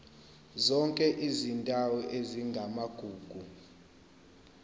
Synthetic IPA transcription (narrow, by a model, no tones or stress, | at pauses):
zɔŋkʼɛʔizintʼawɔʔeziŋɡʱamaɡ̥ʱuːɡ̥ʱu